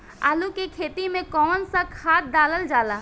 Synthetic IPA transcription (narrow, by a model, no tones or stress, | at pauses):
a̰ːlukekʰeːt̪imẽkɔːnsakʰaːt̪̚d̪aːləld͡ʒaːlaː